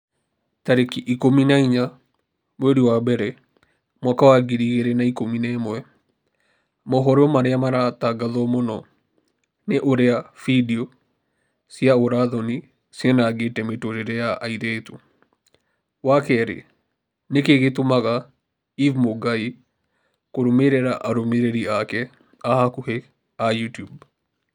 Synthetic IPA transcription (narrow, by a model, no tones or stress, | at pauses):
taɾekiʔikominaiɲa | mweɾiwabɛɾɛ | mwakawaɡiɾiɣeɾɛnaikominɛmwɛ | mɔɦɔɾɔmaɾeamaɾataɡaðɔmonɔ | neʔoɾeafidiɔ | sjaoɾaðɔni | sianaɡeːtɛmetoɾeɾɛjaʔaiðɛto | wakɛɾḛ | nekeɣetomaɣa | ivmoɡai | koɾomeɾɛɾaʔaɾomeɾeɾiakɛ | ahakuhe | ajutjub